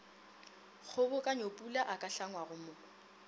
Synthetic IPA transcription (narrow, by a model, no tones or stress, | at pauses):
k͡xʰʊbʊkʼaɲopʼulaʔakʼaɬaŋwaɣʊmʊ